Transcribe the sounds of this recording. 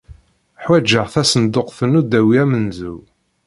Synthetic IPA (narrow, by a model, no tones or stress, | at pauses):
ħwæd͡ʒːəʁθæsənd̪ʊqθənud̪æwiæmənzu